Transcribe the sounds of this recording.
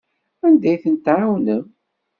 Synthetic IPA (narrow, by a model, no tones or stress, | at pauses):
ænd̪æjθənt̪ʕawnəm